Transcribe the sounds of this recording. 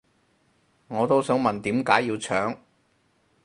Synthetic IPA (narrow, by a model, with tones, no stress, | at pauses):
ŋɔː˨˧t̪o˥wsœː˨˥ŋmɐ˨nt̪iː˨˥mkaː˨˥jːiː˧wt͡ʃʰœː˨˥ŋ